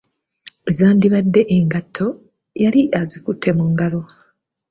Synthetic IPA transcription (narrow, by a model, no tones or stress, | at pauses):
zaːndiβadːe̞ʔeŋɡatʰːo̞ | jaliʔazikutʰːe̞muŋɡalo̞